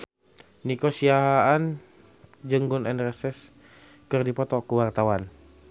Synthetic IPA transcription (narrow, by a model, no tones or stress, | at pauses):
nikosiaɦaːn | d͡ʒəŋɡʊnɛnrɛsɛs | kərdipɔt̪ɔkəwart̪awan